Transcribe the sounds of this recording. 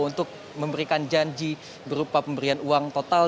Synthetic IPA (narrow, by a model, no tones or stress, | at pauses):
unt̪ʊk̚ | məmbəɾikand͡ʒaɲd͡ʒi | bəɾupapəmbəɾianuaŋt̪ot̪al